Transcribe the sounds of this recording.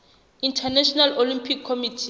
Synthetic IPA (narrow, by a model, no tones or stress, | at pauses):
intʰanɛʃɔnalolĩmpʰikʰːomitʰi